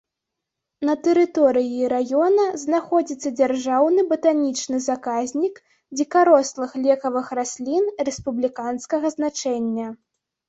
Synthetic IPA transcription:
nɐt̪ɛɾɨt̪ɔɾɨjːɾajɔnɐznaxɔd͡zʲit̪sːɐd͡zʲarʐawnɨbɐt̪anʲit͡ʂnɨzakazʲnʲik | d͡zʲikaɾɔslˠɨxlʲɛkɐvɨxrasʲlʲinrɛspublʲikanskɐɣɐznat͡ʂɛnʲːɐ

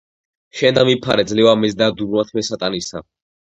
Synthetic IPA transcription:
ʃɛnd̪amipʰa̰ɾɛd̪zlɛvamɛzd̪ad̪uɾmat̪ʰmɛsat̪ʼanisa̰

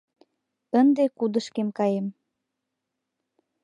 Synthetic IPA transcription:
ənd̪ekud̪əʃkemkɑjem

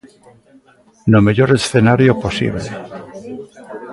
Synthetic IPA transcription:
nomeʎoɾesθenaɾjoposḭβle

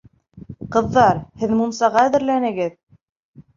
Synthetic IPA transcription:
qɤ̆ðːɑɾhɘðmumsɑʁɑæðɘ̆ɾlænɘ̆ɡɘð

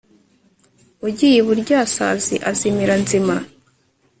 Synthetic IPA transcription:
uɟijeβuɾɟaːsa̰zḭʔazimiɾanzima

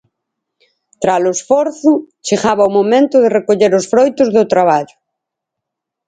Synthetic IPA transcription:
t̪ɾalʊesfɔɾθʊt͡ʃeɣaβaumomẽnt̪ʊðerekoʎeɾʊsfɾojt̪ʊzðʊt̪ɾaβaʎʊ

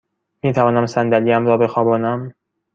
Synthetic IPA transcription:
miːt̪ʰævɒːnæmsænd̪æliːæmɾɒːbe̞xɒːbɒːnæm

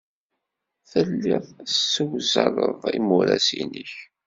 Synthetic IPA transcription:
θəlːɪðˤsːəwzəɾˤəðˤimuɾæsinəç

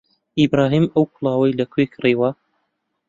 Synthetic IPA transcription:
ibɾaːɦiːmɐwkʰʊlˠɑːwɐjlɐkʰwekʰriːwɐ

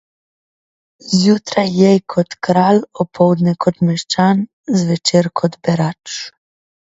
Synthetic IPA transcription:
zjut̪ɾajːɛjkʰɔt̪kɾalɔpʰɔwd̪nɛkʰɔt̪mɛʃt͡ʃan | zʋɛt͡ʃeːɾkʰɔd̪bɛɾat͡ʃ

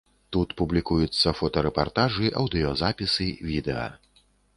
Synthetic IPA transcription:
t̪ut̪publʲikujut̪sːɐfɔt̪ɐɾɛpart̪aʐɨʔɐwd̪ɨjɔzapʲisɨvʲid̪ɛɐ̰

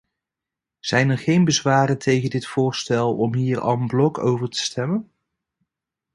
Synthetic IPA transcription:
z̥ɛjnɛɹχejnbəzʋaːɾəntʰejχəndɪtfʊːɹstɛlˠɔmɦiːɹɑ̰lˠənblɔkʰowvəɹtə̥stɛmən

